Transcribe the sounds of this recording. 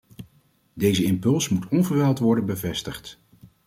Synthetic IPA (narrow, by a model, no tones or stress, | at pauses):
dejzəɪmpɵlˠsmutɔnvəɹʋɛlˠtʋɔɹdənbəvɛstəχt